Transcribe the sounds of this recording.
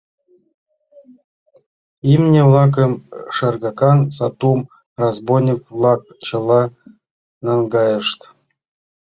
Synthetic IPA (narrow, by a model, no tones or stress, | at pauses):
imnʲevlˠɑk̬ə̆mʂɑrɡɑkɑnsɑt̪um | razbojnʲikvlˠɑk̚ | t͡ɕɤ̆lˠɑ | nɑŋɡɑjɤʂt̪